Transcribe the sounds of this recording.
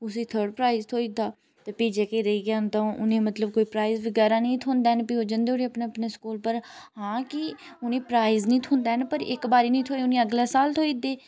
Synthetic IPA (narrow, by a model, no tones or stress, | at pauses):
ʊsiːt̪ʰəɾɖpɾaːizt̪ʰoːiːd̪aː | t̪eːpiːd͡ʒekeːɾəiːɡɪjaːnd̪aõːʔʊnẽːmət̪ləb̚koːiːpɾaːizʋɪɡaːɾãːnəĩːt̪ʰoːnd̪aːnpiːoːd͡ʒənd̪eːoɽeːəpneːəpneːskuːlpəɾhãːkɪʊnẽːpɾaːiznəĩːt̪ʰoːnd̪aːɦɛnpəɾɪ̰kbaːɾiːnəĩːt̪ʰoːeʊnẽːəɡlaːsaːlt̪ʰoːiːd̪eː